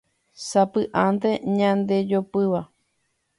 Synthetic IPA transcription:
sapɨʔant̪e̞ɲãnd̪e̞d͡ʒopɨʋa

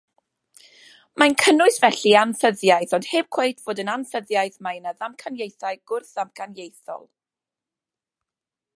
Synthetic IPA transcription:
majnkʰənʊɨsvɛɬianθəðjajθɔnd̥heːb̥̚kʰw̥ejtʰv̥oːdənanθəðjajθmajnaðamkʰanjejθaɨɡ̥ʊrθðamkʰanjejθɔ̰lˠ

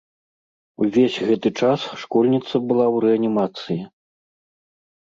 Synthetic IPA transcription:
uvʲesʲɣɛt̪ɨt͡ʂasʂkɔlʲnʲit̪sɐbɨlˠawɾɛɐnʲimat̪sɨji

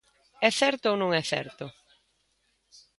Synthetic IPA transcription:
ɛθɛɾt̪ʊownõŋɛθɛ̰ɾt̪ʊ

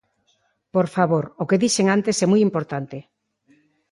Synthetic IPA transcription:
poɾfaβoɾokeðiʃeŋant̪esɛmujimpoɾt̪ant̪ɪ

